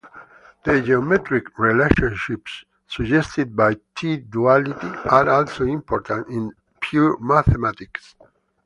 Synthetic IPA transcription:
ð̥əd͡ʒeomɛt̪ɾikɹileʃɔ̃nʃipsː | ud͡ʒɛst̪id̪̚bajt̪ʰid̪ualit̪iaɾɔlsoĩmpɔɾt̪ʰãntĩn | pʰjuɹmaθemat̪iks

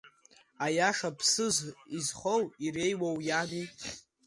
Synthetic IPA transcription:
ajaʂapʰsɨzizχowire̞jwawjani

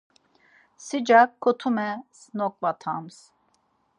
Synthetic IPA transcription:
sid͡ʒakʰːot̪ʰumɛsnɔk̚vat̪ʰams

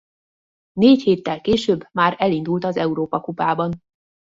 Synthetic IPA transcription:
neːcheːt̪ːɛlkeːʃøːbːmaːɾɛlind̪ult̪ɒzɛuɾoːpɒkupaːbɒn

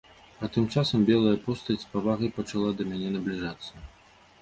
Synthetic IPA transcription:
ɐt̪ɨmt͡ʂasɐmbʲɛlˠɐjɐpɔst̪ɐspavaɣɐjpɐt͡ʂalˠad̪ɐmʲanʲɛnɐblʲiʐat̪sːɐ

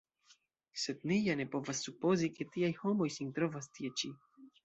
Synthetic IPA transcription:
se̞d̪nijane̞po̞vasːupo̞zike̞tiajho̞mo̞jsint̪ɾo̞vastiet͡ʃi

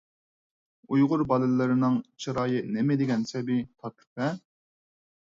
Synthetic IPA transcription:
ujʁʊɾbɑlˠɨlːɨɾɪnɨŋt͡ʃʰiɾɑːjɨnemɪd̪ɪɡʲɛnsɛbit̪ʰɑt̪ʰɨ̥pʰɛ

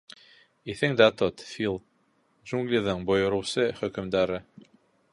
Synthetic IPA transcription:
iθɘŋd̪at̪ot̪fʲilˠ | ʒuŋɡlʲiðɤɴbŏjŏɾɤ̆wsɤχɵ̆kɵ̆md̪æɾɘ

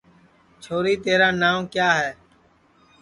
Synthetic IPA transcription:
t͡ʃʰoːɾiːt̪eːɾaːnaːmkjaːɦɛː

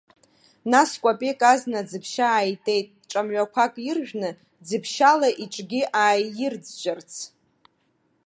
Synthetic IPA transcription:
naskʷʼapʼekʼaznad͡zɨpʰʃaːjtʼe̞jtʼʈ͡ʂʼamɥʷᶣakʷʰakʼjɪrʒᶣnɨ | d͡zɨpʰʃalaʔiʈ͡ʂʼɡʲiʔaːjjɪrd͡zd͡ʒʷʼart͡sʰ

